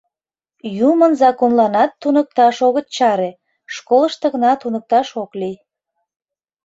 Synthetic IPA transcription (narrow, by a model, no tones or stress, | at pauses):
jumənzɑkonlɑnɑt̪ːunək̚t̪ɑʃoɣət̪̚t͡ɕɑɾe | ʃkoləʃt̪ə̆ɣənɑt̪unək̚t̪ɑʃokli